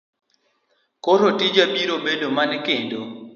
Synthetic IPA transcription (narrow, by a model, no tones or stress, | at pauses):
koɾotid͡ʒabiɾobedomankendo